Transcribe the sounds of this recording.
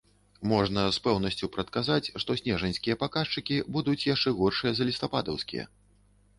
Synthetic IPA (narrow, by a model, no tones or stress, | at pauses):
mɔʐnɐspɛwn̪ɐsʲt͡sʲupɾɐt̪̚kazat͡sʲʂt̪ɔsʲnʲɛʐɐnʲsʲkʲijɐpakaʂt͡ʂɨkʲibud̪ut͡sʲjaʂt͡ʂɛɣɔrʂɨjɐzɐlʲist̪apad̪ɐwskʲḭjɛ̰